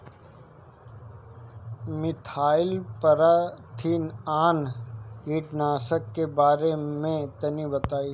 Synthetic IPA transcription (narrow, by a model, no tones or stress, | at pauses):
mɪt̪ʰaːɪlpɐɾat̪ʰinaːnɡiːʈnaːsəkːebaːɾemẽt̪ɐnibɐt̪aːi